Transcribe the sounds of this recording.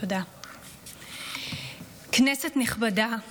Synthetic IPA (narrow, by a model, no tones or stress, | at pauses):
oda | knesetniχbada